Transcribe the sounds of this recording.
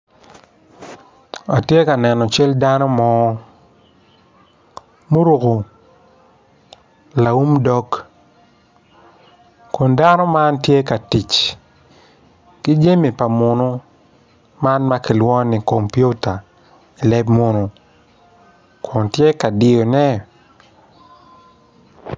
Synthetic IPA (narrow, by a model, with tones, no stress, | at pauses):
a˨tje˦ka˨nɛ˨nɔ˨t͡ʃɛ˦lda˦nɔ˦mɔ˦ | mu˦ɾu˨ko˨ | la˨u˦mdɔ˦k | ko˨nda˦nɔ˦ma˦ntje˦ka˨ti˨t͡ʃ | ki˦d͡ʒe˦mi˨pa˨mʊ˨no˦ | ma˦nma˦ki˨lwɔ˦ni˨ko˨mpju˦ta˨ | i˨lɛ˦bmo˦no˨ | kɔ˨ntje˦ka˨dɪ˨o˨nɛ˦